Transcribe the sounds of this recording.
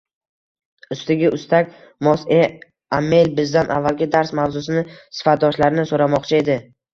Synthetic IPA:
ʊst̪ɪɡʲɪʔʊst̪ʰakʲ | mɒse | amːe̞lʲbɪzd̪anʔa̰vːalɡʲɪd̪aɾsmavzʊsɪnɪsɪ̥fat̪̚d̪ɒʃlaɾɪnɪsoɾamɒqt͡ʃʰae̞d̪ɪ

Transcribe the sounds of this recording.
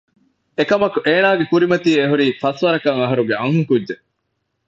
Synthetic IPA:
ekɐmɐkuʔeːnaːɡekuɾimɐt̪iːeɦuɾiːfɐsʋɐɾɐkɐŋɐɦɐɾuɡeɐŋɦuŋkudːd͡ʒe

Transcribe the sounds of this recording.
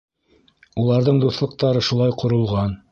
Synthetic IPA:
ulˠɑɾðɤɴd̪uθlˠɤ̆q̚t̪ɑɾɤʃulˠɑjqŏɾŏlˠʁɑn

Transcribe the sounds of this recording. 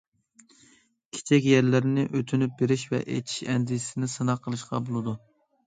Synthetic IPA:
kʲʰe̥t͡ʃʰɛkʲjɛɾlɪɾɪnɪʔøt̪ʰynyp̚beɾɪʃvɛ̰ʔḛt̪ʰi̥ʃɛnd̪isɪnɪsɨnɑqʰːəlˠɨʃqɑ̰bolˠɨd̪u

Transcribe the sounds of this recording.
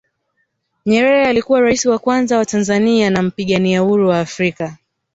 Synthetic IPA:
ɲɛɾɛɾɛalikuwaɾaisiwakwanzawatanzanianam̩piɠaniauɾuwaːfɾika

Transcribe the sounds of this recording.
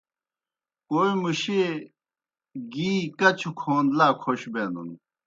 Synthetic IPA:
koːimuɕe | ɡiːkɐt͡ɕʰukʰoːnd̪laːkʰoɕbeːnd̪ṵn

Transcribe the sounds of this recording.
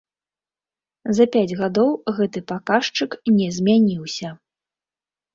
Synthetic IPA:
zɐpʲad͡zʲɣad̪ɔwɣɛt̪ɨpakaʂt͡ʂɨknʲɛzʲmʲanʲiwsʲɐ

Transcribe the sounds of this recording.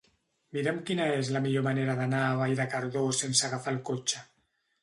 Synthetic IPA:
miɾemkinaezlamiʎomaneɾaðanaβaiɾakaɾðosensaɣafalkot͡ʃa

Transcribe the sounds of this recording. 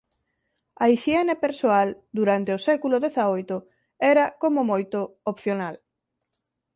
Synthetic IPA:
ɐiʃiɛnepeɾsoald̪uɾant̪eʊsɛkulʊðeθaojt̪ʊ | ɛɾɐkomomojt̪ʊopθjonal

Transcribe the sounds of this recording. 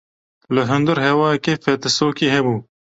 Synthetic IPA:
ləɦʊnd̪uɾɦewɑːjkefet̪əsoːkiːɦebuː

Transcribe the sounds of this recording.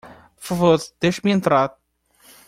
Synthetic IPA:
pfɐvoɾd̪̥ejʃmẽnt̪ɾaɾ

